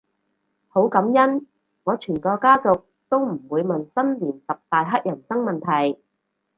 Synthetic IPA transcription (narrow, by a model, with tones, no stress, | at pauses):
ho˨˥wkɐ˨˥mjɐ˥n | ŋɔː˨˧t͡ʃʰyː˨˩nkɔː˧kaː˥t͡sʊ˨k̚ | t̪o˥wm̩˨˩wuː˨˧jmɐ˨nsɐ˥nliː˨˩nsɐ˨p̚t̪aː˨jɦɐ˥t̚jɐ˨˩nsɐ˥ŋmɐ˨˩nt̪ʰɐ˨˩j